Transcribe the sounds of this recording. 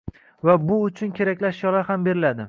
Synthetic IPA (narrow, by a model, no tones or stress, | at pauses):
vabʊʊt͡ʃʰʊnkʲʰe̞ɾakʲlaʃjɒlahambe̞ɾɪlad̪ɪ